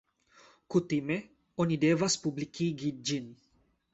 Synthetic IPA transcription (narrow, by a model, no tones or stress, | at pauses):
kut̪ime | onid̪eːvaspublikiɡid͡ʒin